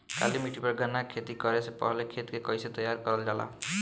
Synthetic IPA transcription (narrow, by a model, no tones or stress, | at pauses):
ka̰limiʈipʌɾɡʱanakʰet̪ikɔɾesepɔ̰ɦlekʰet̪kekɔjset̪ɔjaɾkɔɾɔld͡ʒala̰